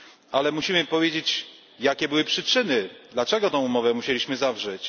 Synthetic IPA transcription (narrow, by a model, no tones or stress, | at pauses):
alɛmuɕimɘpɔvʲjed͡ʑet͡ɕ | jakʲɛbɘwɘpʂɘt͡ʂɘnɘd̪lat͡ʂɛɡɔt̪ɔ̃w̃umɔvɛmuɕelʲiɕmɘzavʐɛt͡ɕ